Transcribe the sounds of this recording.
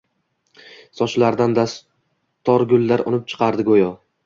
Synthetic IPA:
sɒʃlaɾd̪and̪as | t̪ʰɒɾɡʊlːaɾɒ̰nɪp̚t͡ʃʰɨ̥qʰɑɾd̪ɪɡojɒ

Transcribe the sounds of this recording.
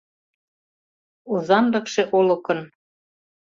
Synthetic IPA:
uzɑnd̪ɤ̆kʃeʔolɤ̆kɤ̆n

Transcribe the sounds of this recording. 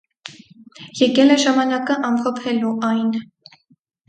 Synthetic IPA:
jɛkɛlɛʒɑmɑnɑkəʔɑmkʰɔpʰɛluʔɑjn

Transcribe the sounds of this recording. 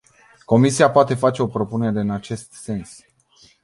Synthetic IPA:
ko̞misiapoat̪e̞fat͡ʃe̞o̞pɾo̞pune̞ɾe̞ɨnat͡ʃe̞st̪se̞ns

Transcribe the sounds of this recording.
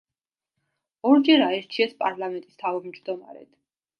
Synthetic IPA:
ɔɾd͡ʒɛɾaɛɾt͡ʃʰiɛspʼaɾlˠamɛnt̪ʼist̪ʰavɔmd͡ʒd̪ɔma̰ɾɛ̰d̪̥

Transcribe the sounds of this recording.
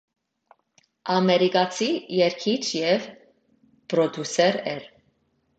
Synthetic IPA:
ɑmɛɾikɑt͡sʰijɛɾkʰit͡ʃʰjɛv | pɾɔd̪jusɛɾɛɾ

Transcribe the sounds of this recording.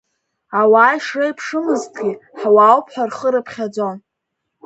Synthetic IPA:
awaːjʂrejpʰʂɨmɨztʰʼɡʲiħwaːwpʰħʷᶣarχəɾɨpʰχʲad͡zo̞n

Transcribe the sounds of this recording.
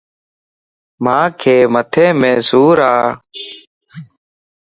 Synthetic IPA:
mãːkʰeːmət̪ʰẽːmẽːsuːɾaː

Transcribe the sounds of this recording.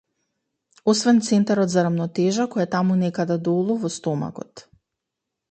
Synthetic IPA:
osvɛnt̪sɛnt̪aɾɔt̪zaɾamnɔt̪ɛʒakojat̪amunɛkad̪ad̪olˠɔvɔst̪ɔma̰kɔ̰t̪

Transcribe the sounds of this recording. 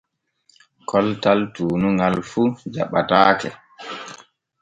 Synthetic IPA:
kʰɔltaltuːnuŋalfud͡ʒaɓataːkɛ

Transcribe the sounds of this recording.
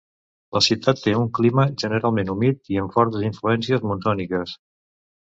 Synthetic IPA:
ləsiwt̪at̪ːeuŋkliməʒənəɾalˠmenumit̪iəɱfɔɾt̪əziɱfluɛnsiəzmunzɔnikəs

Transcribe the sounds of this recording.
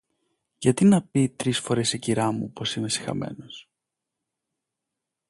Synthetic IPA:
ʝɐt̪inɐpit̪ɾisfo̞ɾe̞siciɾɐmṵpo̞sime̞si̥xɐ̰me̞̰no̞s

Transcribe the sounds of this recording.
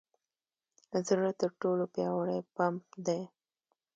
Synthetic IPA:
zəɾət̪əɾʈolopjɑwaɽajpamp̚d̪e

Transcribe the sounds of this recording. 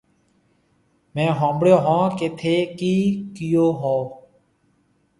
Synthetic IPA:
mɛ̃ːɦõːbɽjoːɦãːkeːt̪ʰeːkiːkɪjoːɦoː

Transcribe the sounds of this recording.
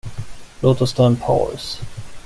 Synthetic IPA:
loːt̪ɔst̪ʰœnpʰɑ̰ls

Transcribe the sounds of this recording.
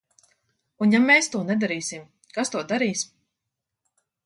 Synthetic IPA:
unjameːst̪uɔnɛd̪aɾiːsim | kast̪uɔd̪aɾiːsm

